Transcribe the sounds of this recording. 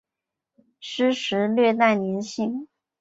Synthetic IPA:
ʂɻ̩˥ʂɻ̩˧˥lɥɛ˥˧t̪a˥˩ɪnjɛ˧˥nɕi˥˩ŋ

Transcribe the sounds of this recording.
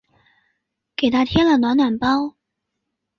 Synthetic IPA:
ke˨˩t̪ʰa˥t̪ʰjɛ˥lə˨nwa˧˥na˨˩npɑ˥ʊ

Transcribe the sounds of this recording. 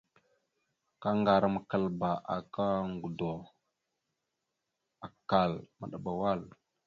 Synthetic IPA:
ka˦ŋɡa˨ɾa˨ma˨kə˨lba˨ʔa̰˨ka˦ŋɡu˨do˨ | a˨ka˨lma̰˨ɗa˨ɓa˨wa˦l

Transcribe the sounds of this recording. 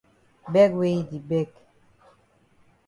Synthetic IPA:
bɛ˦kwe˦i˦di˨bɛ˦k

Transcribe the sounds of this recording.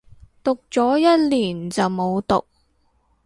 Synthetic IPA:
t̪ʊ˨k̚t͡sɔː˨˥jɐ˥t̚liː˨˩nt͡sɐ˨wmo˨˧wt̪ʊ̰˨k̚

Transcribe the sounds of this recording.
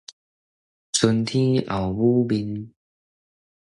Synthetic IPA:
t͡sʰu˧nt̪ʰĩ˦a˨˩wbu˦bi˧n

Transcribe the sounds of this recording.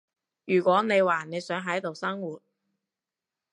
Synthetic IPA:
jyː˨˩kʷɔː˨˥ne˨˧jwaː˨ne˨˧jsœː˨˥ŋɦɐ˨˥jt̪o˨wsɐ˥ŋwuː˨˩t̚

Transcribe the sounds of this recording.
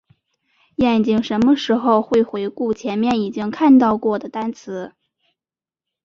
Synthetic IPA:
jɛ˥˩nt͡ɕi˥˩ŋʂə˧˥nmə˧ʂɻ̩˧˥xo˧ʊxwe˥˩ɪxwe˧˥ɪku˥˩t͡ɕʰjɛ˧˥nmjɛ˥˩ni˨˩t͡ɕi˥ŋkʰa˥˧nt̪ɑ˥˧ʊkwɔ˥˩d̪ə˩t̪a˥nt͡sʰɹ̩˧˥

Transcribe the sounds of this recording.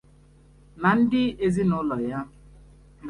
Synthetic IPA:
na˨n̩˦dɪ˦e˨zi˦nʊ˦lɔ˨ja˦

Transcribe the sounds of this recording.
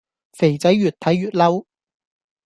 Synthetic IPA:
fe˨˩jt͡sɐ˨˥jɥyː˨˩t̪ʰɐ˨˥jɥyː˨t̚lɐ˥w

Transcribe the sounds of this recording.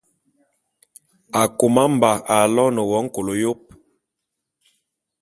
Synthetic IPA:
a˨ko˨ma˦m̩˨ba˨a˨lɔ˦nə˨wɔ˨˦ŋ̩˦ko˨lo˨jo˦p̚

